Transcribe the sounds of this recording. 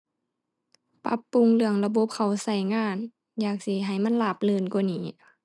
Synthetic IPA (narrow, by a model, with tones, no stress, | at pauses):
pa̰˧˦˥pːu˧˨ŋlɯ˧əŋla˧bo˧˦p̚kʰa˨˩wsa˧˩jŋaː˧˥˨n | jaː˨˩k̚si˧˦ɦa˨˩jma˧˥˨nlaː˧˩p̚lɯː˧˨nku˧˩˨niː˨˦